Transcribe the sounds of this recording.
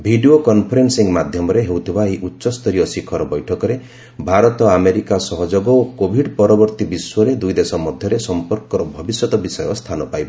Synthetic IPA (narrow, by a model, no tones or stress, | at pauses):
bʱiɖiokɔnpʰɔɾensiŋmad̪ʱjɔmɔɾeɦewt̪ʰibaeiʔutːʃɔst̪ʰɔɾijɔsikʰɔɾɔbɔjʈʰɔkɔɾe | bʱaɾɔt̪ɔameɾikasɔɦɔd͡ʒoɡɔokobʱiɖpɔɾɔbɔɾt̪ibiswɔɾed̪ujd̪esɔmɔd̪ʱjɔɾesɔmpɔɾkɔɾɔbʱɔbisjɔt̪ɔbisɔjɔst̪ʰanɔpajbɔ